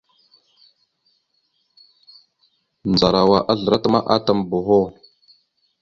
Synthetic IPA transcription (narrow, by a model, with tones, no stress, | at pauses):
nd͡za˨ɾa˨wa˨ʔa˦ɮə˨ɾa˦ta˦ma̰˦ʔa˦ta˨mbo˨ɦo˦